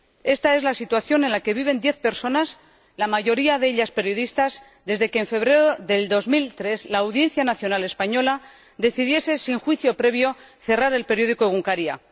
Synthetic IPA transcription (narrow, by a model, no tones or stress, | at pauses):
e̞st̪ae̞zlasit̪waθjo̞ne̞nlake̞βiβ̞e̞nd̪je̞θpe̞ɾso̞nas | lamaʝo̞ɾiaðeeʎaspe̞ɾjo̞ðist̪az | d̪e̞zðe̞keːɱfe̞βɾeɾoðe̞ld̪o̞zmilt̪ɾe̞zlaːwðje̞n̟θjanaθjo̞nale̞spaɲo̞la | ðe̞θiðje̞se̞siŋxwiθjo̞pɾe̞β̞jo̞ | θe̞raɾe̞lpe̞ɾjo̞ð̞ikoeɣuŋkaɾia̰